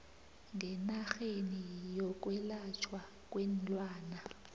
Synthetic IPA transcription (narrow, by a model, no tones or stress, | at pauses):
ŋɡʱɛnaxenijɔk̬ʼwɛlat͡ʃʰwa | kʼwɛnt͡ɬʼwaːna